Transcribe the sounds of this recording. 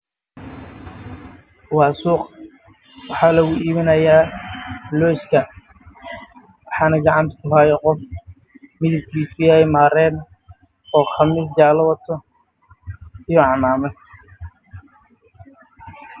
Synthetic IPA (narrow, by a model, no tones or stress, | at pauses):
wɑːsuːq | wɑħɑːlɐɣʊiːβɪnɐjaː | lɔːskʰɐ | wɑħɑːnɐɡɑʕɑnt̪ʰkʰʊɦaːjɔqɔf | mɪðɪb̚kʰiːsʰʊjaɛjmaːɾɛːn | ɔːχɑmiːsd͡ʒaːlɐwɐt̪ʰɔ | ijɔʕɑmaːmɐd̪